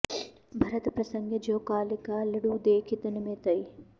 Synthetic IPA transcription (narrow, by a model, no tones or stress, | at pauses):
bʱɐɾɐt̪pɾɐsɐŋɡʱjɐd͡ʒoːkaːlikaːlɐɽuːd̪eːkʰit̪ɐnɐmẽːt̪ɐi